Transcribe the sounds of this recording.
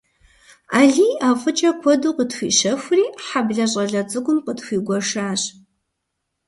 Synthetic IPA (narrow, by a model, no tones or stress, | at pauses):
aːɮiːaːfʼɨt͡ʃʼɐkʷʰɔduːqətxʷiːʃɐxʷʊriːħabɮɐɕ̬ʼɐɮɐt͡sʼɨɡʷʊmqətxʷiːɡʷɔʂaːɕ